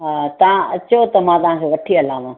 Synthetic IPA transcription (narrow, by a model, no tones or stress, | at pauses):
t̪ɐãɐt͡ɕot̪ɐmãːt̪ɐɦãːkʰeːʋɐʈʰiɐlãːʋã